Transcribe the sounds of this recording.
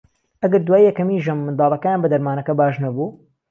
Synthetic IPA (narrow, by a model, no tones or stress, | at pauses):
ʔɐɡɐɾd̪waːijɛkɐmiːʒɐmːɨnd̪ɑːlˠɐkajaːnbɐd̪ɐɾmaːnɐkɐbaːʒnɐbuː